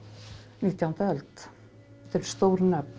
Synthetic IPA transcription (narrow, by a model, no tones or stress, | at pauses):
nɪt̪ːjant̪ɛlt̪ | t̪ʰɪlst̪owɾnɛp̪